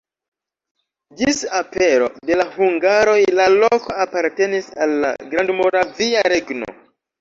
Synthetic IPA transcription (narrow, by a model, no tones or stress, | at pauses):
d͡ʒisape̞ɾo̞̰de̞lahuŋɡaɾo̞jlaloko̞apaɾte̞nisalːa̰ɡɾandmoɾaviaɾe̞ɡno̰